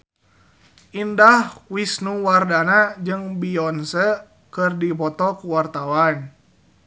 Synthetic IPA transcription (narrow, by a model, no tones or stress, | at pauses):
ʔindahwisnuwardanad͡ʒɨŋbiɔnsə | kɨrdipɔt̪ɔkuwart̪awan